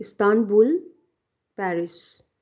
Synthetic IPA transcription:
ɪst̪aːnbul | pɛːɾɪs

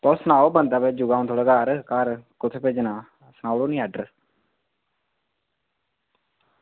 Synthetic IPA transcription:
t̪ɔːsənaːoːbənd̪aːpeːd͡ʒʊɡaːõnt̪ʰoːləɡaːɾkaːɾkʊt̪ʰeːpeːd͡ʒnãː | sənaːoːloːnĩːəɖəɾ

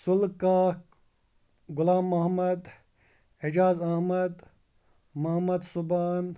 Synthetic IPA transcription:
sulkaːk | ɡʊlaːmːɐɦmɐd̪ | ed͡ʒaːzɐhmɐd̪ | mɐɦmɐd̪subaːn

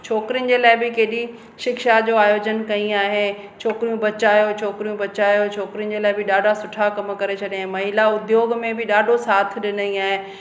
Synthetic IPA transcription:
t͡ɕʰoːkɾijʊnɪ̆d͡ʑeːlaːɪbɪkeːɗi | ʃɪkʃad͡ʑoːaːjoːd͡ʑənkɐĩaːɦe | t͡ɕʰoːkɾijũbɐt͡ɕaːjot͡ɕʰoːkɾijũbɐt͡ɕaːjot͡ɕʰoːkɾijʊn̆d͡ʑeːlaːɪbɪɗaːɖʱasʊʈʰakɐm̆kɐɾet͡ɕʰɐɗijaːɦẽmɐɦilaʊd̪joːɡmẽbɪɗaːɖʱosaːt̪ʰɗɪnəĩaːɦẽ

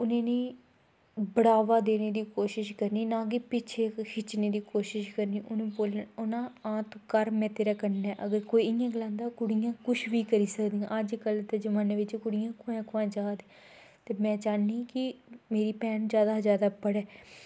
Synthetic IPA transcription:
ʊnẽːnĩː | bəɽaːʋaːd̪eːneːd̪iːkoːʃɪʃkəɾniːnãːɡeːpɪt͡ʃʰeːkʰɪt͡ʃneːd̪iːkoːʃɪʃkəɾniːʔʊnũːboːlʊnãːãːt̪õkəɾmɛ̃ːt̪eːɾaːkəɾnɛːʔəɡəɾkoːiːɪjãːɡəlãːnd̪aːkʊɽɪjãːkʊʃʰʋiːkəɾiːsəkd̪ĩːãːəd͡ʒkəlt̪ed͡ʒəmãːneːʋɪt͡ʃkʊɽɪjãːkʰʊɛ̃ːkʰʊãːd͡ʒaːd̪ | t̪eːmɛ̃ːt͡ʃaːnĩːkɪmeːɾiːpɛːnd͡ʒjaːd̪aːzjaːd̪aːpəɽɛː

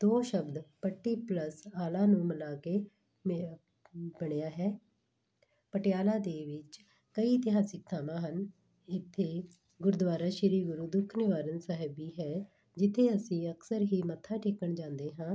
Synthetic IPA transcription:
d̪oːʃəbd̪pəʈːiːpləsaːlaːnũːməlaːkeː | m | bəɽejaːɦɛː | pəʈɪjaːlaːd̪eːʋɪt͡ʃ | kəiːt̪ɪɦaːsɪk̚t̪ʰaːmãːɦən | ɪt̪ʰːeː | ɡʊɾd̪ʋaːɾaːʃɪɾiːɡʊɾuːd̪ʊkʰːnɪʋaːɾənsəɦəbiːɦɛː | d͡ʒɪt̪ʰːeːəsĩːəksəɾɦiːmət̪ʰːaːʈʰeːkəɳd͡ʒãːnd̪eːɦãː

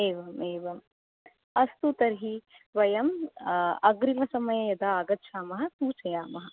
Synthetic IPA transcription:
eːʋɐmeːʋɐm | ɐst̪ut̪ɐɾɦi | ʋɐjɐm | ɐɡɾimɐsɐmɐjɐjɐd̪aːɡɐt̪ːʃʰaːmɐɦɐ̆suːt͡ʃɐjaːmɐɦɐ

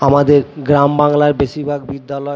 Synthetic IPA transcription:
amad̪eɾɡɾambaŋlaɾbeʃiɾbʱaɡbid̪ːalɔ

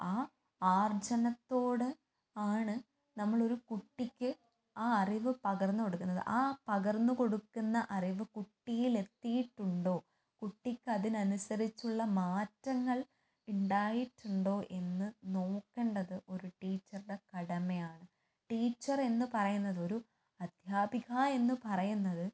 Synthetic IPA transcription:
aː | aːrd͡ʑɐnɐt̪ːo̞ːɽɨ | aːɳɨ | nɐmːɐɭo̞ɾukuʈːikʲːɨ | aːɐriʋɨpɐɣɐrnːuko̞ɽukːunːɐðɨ̰ʔaːpɐɣɐrnːuko̞ɽukːunːɐʔɐriʋɨkuʈːijile̞t̪ːijiʈːuɳɖo̞ː | kuʈːikʲːɐðinɐnusɐrit͡ɕːuɭːɐmaːtːɐŋːɐɭ | uɳɖaːjiʈːuɳɖo̞ːʔe̞nːɨno̞ːkːeɳɖɐðɨʔo̞ɾuʈiːt͡ɕːɐrɖe̞kɐɽɐmejaːɳɨ | ʈiːt͡ɕːɐre̞nːɨpɐrɐjunːɐðo̞ɾu | ɐd̪̥ʱjaːbiɣaːe̞nːɨpɐrɐjunːɐðɨ

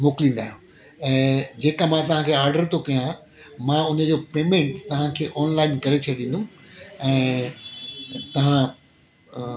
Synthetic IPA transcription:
moːkɪlĩːn̆d̪aːɦjũ | ɛ̃ːd͡ʑeːkamãt̪ɐʋ̤ãkʰeːaːɾɖəɾt̪ʰokɐjã | mãʊnə̆d͡ʑoːpeːmẽɳʈt̪ɐʋ̤ãkʰeːʔɔːnlaːɪnkɐɾet͡ɕʰɐɗĩːnd̪ũɛ̃ː | t̪ɐʋ̤ã

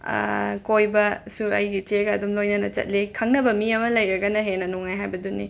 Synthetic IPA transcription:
kojbɐsuɐ̰jɡit͡ʃeɡɐɐdumlojnɐnɐt͡ʃɐ̰t̚likʰɐŋnɐbɐmiɐmɐlɐjɾɐɡɐnɐɦenɐnoŋajɦajbɐdunḭ

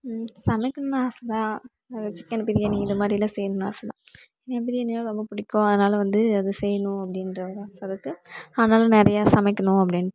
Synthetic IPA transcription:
sɐmɛɪkːɐnnaːsɐðãː | ɐðɐt͡ʃɪ̥kːɐnpːɪðɪjɐnĩŋɡɐɪðɐmaːd̪ɾɪlɐsɛjɐnɯna̰ːsɐlã̰ | ɛnːɐp̬ːɪðɪjɛnnaːlɐɾɔmbɐpʊɽɪkːõɐðɐnaːlɐʋɐnd̪ɯɐðɯsɛjɐnʊ̃ɐpːɐɽɪnɾɐɾasɐðɯkːɯɐːðɐnaːlɐnɛɾɐjaːsɐmɐɪkːɐnʊ̃ɐp̬ːɐɽɪn

